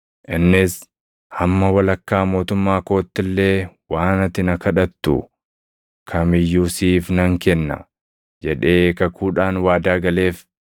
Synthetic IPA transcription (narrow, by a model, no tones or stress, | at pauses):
ʔɪnːɪs | hɐmːɐwɐlɐkːaːmo̞ːt̪ʊmːaːko̞ːt̪ːɪlːe̞ːwaːnɐt̪ɪnɐkɐᶑɐt̪ːʊ̰ | kʰɐmɪjːuːsiːfnɐŋkɛnːɐ̰ | d͡ʒɛᶑe̞ːkɐkʰuːᶑaːnwaːd̪aːɡɐle̞ːf